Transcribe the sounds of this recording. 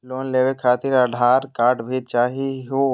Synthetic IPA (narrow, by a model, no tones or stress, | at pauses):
loːnleːwekʰːaːt̪ɪɾəɖʱaːɾkaːɾʈbʱiːt͡ʃaːɦiɦo